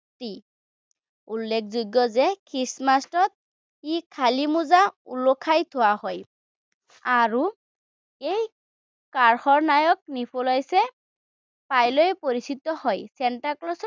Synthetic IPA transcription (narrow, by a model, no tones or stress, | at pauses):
ti | ulːɛk̚ʰzoɡːɔzɛkʰɹismastɔt̪̚ | ikʰalimuzaṵlɔkʰajt̪ʰowahɔj | aɹu | ej | kaɹxɔɹnajɔk̚nipʰolɔjsɛ | pajlojpoɹisitːɔhɔjsɛntaɹklɔs